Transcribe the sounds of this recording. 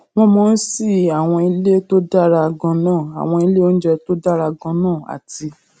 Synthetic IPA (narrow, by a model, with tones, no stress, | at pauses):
w̃ɔ̃˧mɔ̃˧n̩˦si˦˨a˨w̃ɔ̃˧i˧le˦to˦da˦˨ɾa˧ɡɔ̃˧nãː˦˨a̰˨w̃ɔ̃˧i˧le˦o˦n̩˦d͡ʒɛ˧to˦da˦˨ɾa˧ɡɔ̃˧nãː˦˨a̰˨ti˧